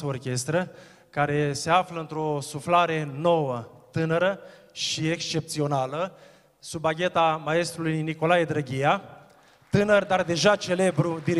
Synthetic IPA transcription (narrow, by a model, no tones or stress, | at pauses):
əorkʲe̞st̪ɾə | kaɾe̞se̞afləɨnt̪ɾo̞suflaɾe̞no̞wət̪ɨnəɾə | ʃiekst͡ʃe̞p̚t̪sio̞nalə | subaɡʲet̪amaest̪ɾulujniko̞lajed̪ɾəɡʲija | t̪ɨnərd̪ard̪e̞ʒat͡ʃe̞le̞bɾud̪iɾ